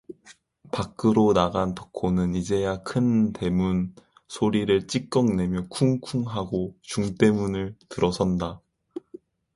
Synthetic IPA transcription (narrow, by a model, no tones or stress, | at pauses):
pak͈ʰɯɾonaɡantʌkʰonɯnid͡ʑe̞jakʰɯnte̞mun | sʰoɾiɾɯɭt͡ɕ͈ik̚k͈ʌŋne̞mjʌkʰuŋkʰuŋɦaɡot͡ɕuŋt͈e̞munɯɭtɯɾʌsʰʌnda